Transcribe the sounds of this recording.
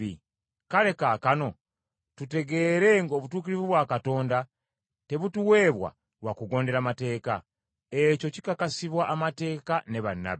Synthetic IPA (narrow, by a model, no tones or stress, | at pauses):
ḭ | kaɾe̞kakano̞ | tute̞ɡe̞ɾe̞ŋɡo̞ːβutuːkiɾivuβwaːkato̞ːnda | te̞βutuwe̞ːβwa̰ | ɾwakuɡo̞ːnde̞ɾamate̞ːka | e̞co̞ci̥kakasiβwaʔːmate̞ːkane̞βanːa̰βe